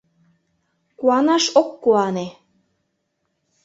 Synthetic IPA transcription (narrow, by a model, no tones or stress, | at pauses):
kuɑnɑʃokːuɑne